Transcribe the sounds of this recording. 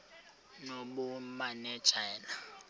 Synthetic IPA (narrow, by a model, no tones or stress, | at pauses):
noɓumanɛt͡ʃʰɛːla